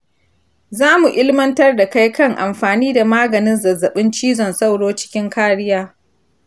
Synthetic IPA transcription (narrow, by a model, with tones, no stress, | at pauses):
zaː˦mu˨ʔɪ˦lmɐ˦ntɐ˦rda˨ka˦jkɐ˦˨ŋʔa˨mɸaː˨niː˦da˨maː˦ɡɐ˨nɪ˦nzɐ˨zːɐ˨ɓɪ˦nt͡ʃiː˦zɔ˨nsa˦˨wɽoː˦t͡ʃɪ̥˦kʲɪ˦ŋkaː˦ɽɪ˦jaː˦